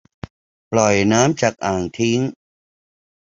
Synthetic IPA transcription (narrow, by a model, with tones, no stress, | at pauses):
plɔ˨˩jnaː˦˥mt͡ɕaː˨˩k̚ʔaː˨˩ŋt̪ʰi˦˥ŋ